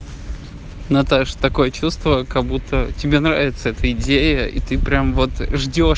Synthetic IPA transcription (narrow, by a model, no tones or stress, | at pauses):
nɐt̪aʂt̪ɐko̞jət͡ɕust̪vəkɐbut̪ʰːətʲɪbʲenɾa̰vʲɪt̪səɛt̪əɪdʲejəḭt̪ɨpɾʲamvo̞t̪ʐdʲo